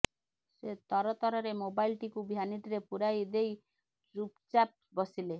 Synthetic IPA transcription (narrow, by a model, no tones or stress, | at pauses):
set̪ɔɾɔt̪ɔɾɔɾemobailʈikubʱjaniʈ̪iɾepuɾajd̪ej | ɾupt͡ʃap̚bɔsile